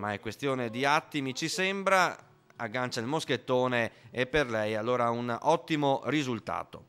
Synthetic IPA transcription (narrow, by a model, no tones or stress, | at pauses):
maɛkːwest̪joːned̪iat̪ːimit͡ʃisɛmbɾa | aɡːant͡ʃailmosket̪ːoːneepːerlɛjalːoːɾaunɔt̪ːimorizult̪a̰ːt̪o̰